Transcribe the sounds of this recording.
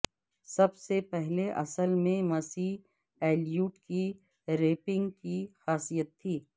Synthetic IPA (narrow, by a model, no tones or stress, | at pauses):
sɐbsepɛɦleʔɐsəlmẽmɐsiː | ɛːlijuːʈki | ɾeːpɪ̃ŋɡkixaːsiːjət̪ʰːiː